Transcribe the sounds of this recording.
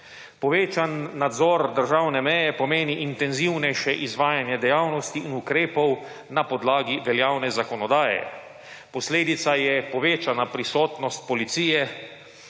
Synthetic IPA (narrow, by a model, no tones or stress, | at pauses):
pɔʋeːt͡ʃanːad̪zɔɾd̪əɾʒawnɛmɛjɛpɔmeːniʔint̪ɛnziwnɛjʃɛʔizʋaːjanjɛd̪ɛjaːwnɔst̪iːnukɾeːpɔw | napɔd̪laːɡiʋɛljaːwnɛzakɔnɔd̪aːjɛ̰ | pɔsleːd̪it̪sajɛpɔʋeːt͡ʃanapɾisɔːt̪nɔst̪̚pɔlit̪siːjɛ